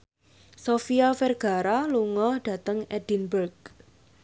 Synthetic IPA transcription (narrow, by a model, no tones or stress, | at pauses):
sofiafɛrɡ̥a̤ɾaluŋɔhɖ̥a̤t̪əŋɛd̥inbərɡ̚